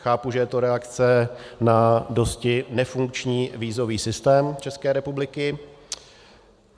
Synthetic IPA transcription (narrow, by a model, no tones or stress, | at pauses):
xaːpuʒɛjɛt̪oɾɛakt͡sɛnado̞scɪnɛfuŋk̚t͡ʃɲiːviːzo̞viːsɪst̪ɛːmt͡ʃɛskɛːɾɛpublɪkɪ